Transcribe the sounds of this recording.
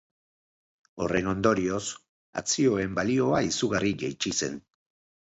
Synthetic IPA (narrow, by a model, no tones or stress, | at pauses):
o̞re̞no̞nd̪o̞ɾio̞s | a̰t͡sio̞e̞mbalio̞aisuɣariʝe̞jt͡ʃise̞̰n